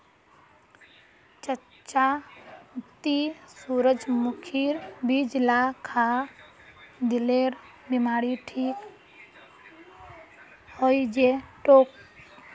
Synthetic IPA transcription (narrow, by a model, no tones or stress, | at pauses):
t͡ʃə | t͡ʃaʊt̪ːisuːɾəd͡ʒmʊkʰiɾbid͡ʒlakʰa | d̪ɪleɾ | bimaːɾiʈʰiːk | hoid͡ʒeʈoːk̚